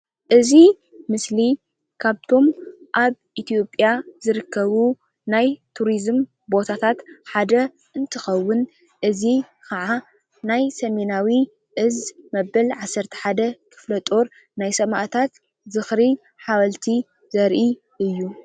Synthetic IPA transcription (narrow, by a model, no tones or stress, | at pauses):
ʔɨzi | mɨsli | kʰaβt̪ʰo̞mʔaβʔit̪ʰijo̞pʼjazɨɾɨkʰːɐβu | najt̪ʰuɾizm | bo̞t̪ʰat̪ʰat̪ħad̪ɐ | ʔɨnt̪ʰɨxɐwːʊn | ʔɨzi | kʰɐʕa | najsɐme̞nawi | ʔɨzmɐbɐlʕasːɐɾt̪ʰɐ̥ħad̪ɐkʰɨ̥flɐt̪ʼoɾ | najsɐmaʔt̪ʰat̪ | zɨxɾi | ħawɐlt̪ʰi | zɐɾʔi | ʔɨjːu